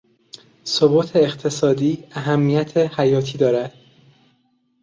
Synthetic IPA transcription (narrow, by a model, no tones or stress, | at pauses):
soboːt̪ʰeːxt̪ʰe̞sɒːd̪iːæɦæmːijæt̪ʰehæjɒːt̪ʰiːd̪ɒːɾæd̪̥